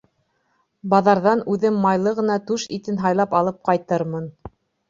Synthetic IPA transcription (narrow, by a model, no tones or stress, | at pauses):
bɑðɑɾðɑnʉðɘmːɑjlˠɤʁɤ̆nɑt̪ʉʃit̪ɘnɦɑjlˠɑpɑlˠɤp̚qɑjt̪ɤɾmɤn